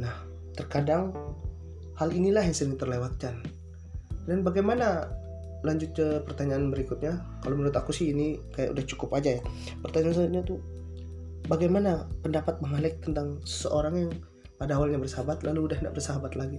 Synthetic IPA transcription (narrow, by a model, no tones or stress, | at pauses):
nah | t̪ərkadaŋ | halinilahjaŋsəɾɪŋt̪ərlewat̪̚kan | danbaɡajmana | laɲd͡ʒʊt̪̚kəpərt̪aɲaːnbəɾikʊt̪̚ɲakalowmənuɾʊt̪akusɪhinikaja̰ʔudaht͡ʃu̥kʊpad͡ʒaja | pərt̪aɲaːnsət̪̚ɲat̪u | baɡajmanapəndapat̪̚məŋalɛk̚t̪ənt̪aŋsə̥səʔoɾaŋjaŋ | padawalɲabərsəɦabat̪laluːdahnda̰ʔbərsəɦabat̪laɡi